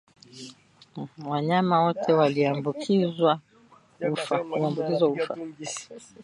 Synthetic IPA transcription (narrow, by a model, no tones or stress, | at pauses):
waɲamawɔtʰɛwaliambukʰizwa | ufaaambukizwaufa̰